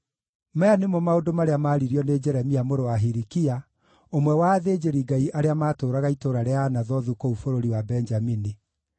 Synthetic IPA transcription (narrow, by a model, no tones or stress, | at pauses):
maanemwɔmaodomaɾeamaːɾiɾiɔned͡ʒɛɾɛmiamoɾowaɦiɾikia | omwɛwaːðeːd͡ʒeɾiɡaiʔaɾeamaːtoːɾaɣaitoɾaɾeanaðɔðukoufoɾoɾiwabɛnd͡ʒamini